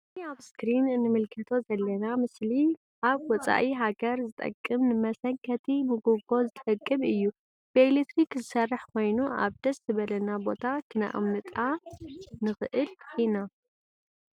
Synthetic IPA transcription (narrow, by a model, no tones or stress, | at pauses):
ɨniaβskɾinɨnɨmɨlkʰɐt̪ʰo̞zɐlːɐnamɨsli | ʔaβwɔt͡sʼa̰ʔiɦaɡɐɾzɨt̪ʼɐ̰kʼːɨmnɨmɐsɐŋkʰɐt̪ʰimɨɡuɡo̞zɨt̪ʼɨkʼːɨmɨjːu | b̥ɨelet̪ɾikzɨsɐrːɨħkʰo̞jnua̰βd̪̥ɐszɨβɐlɐnabo̞t̪ʰakʰɨna̰ʔɨ̰mnɨt̪ʼa | nɨxɨʔɨlina